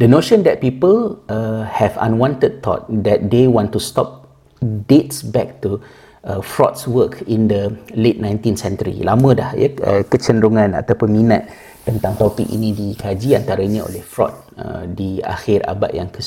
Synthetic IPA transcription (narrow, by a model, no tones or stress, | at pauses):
dənoʃə̃ndɛt̚pipələhɛvã̰nwãntəd̚t̪ʰɔ̰t̪̚dɛt̪̚dewɔ̃ntustɔp̚ | det̚sbɛk̚tu | əfɹɔ̰t̚swəkʰĩndəlet̚nãjnt̪ĩnsɛ̃ntəɾḭlamə̃dahjəə̰kət͡ʃənɾuŋãna̰t̪apʊnmina̰t̪̚ː | ənt̪ãŋt̪ɔpikḭnĩdikad͡ʒiant̪aɾaɲão̰lɛhfɹɔ̰t̪̚ | ə̰dia̰xiɾa̰ba̰ʔjaŋkə